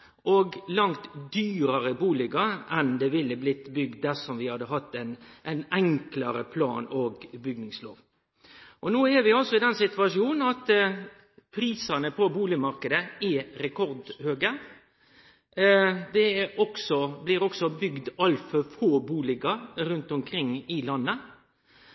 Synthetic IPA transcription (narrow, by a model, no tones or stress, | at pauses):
ʔoɡlɑŋt̪d̪yːɾəɾəbuːlɪɡəɛnd̪ɛʋɪlːəblɪt̪ːbʏɡ̚d̪̚d̪æsɔmʋɪhɑd̪ːəɦɑt̪ːɛnʔɛɪnɛŋklɑɾə̰pʰlɑ̰ːnoːɡbʏɡ̚nɪŋslo̰ːʋ | ʔɔnoːɛɾʋɪɑlsɔɪd̪ɛnsɪt̪ʋɑʂjuːnn̩ɑt̪ | pʰɾiːsɑnəpʰɔbuːlɪmɑɾkəd̪əɛɾɛkʰɔɾd̪høːɡə | d̪ɛɔksɔblɪɾɔksɔbʏɡd̪ɑlfɔfoːbuːlɪɡɑɾʉnt̪ɔmkʰɾɪŋːɪlɑnːə